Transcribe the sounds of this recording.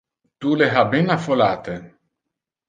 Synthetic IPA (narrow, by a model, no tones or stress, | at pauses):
t̪uleɦabenafolaːt̪e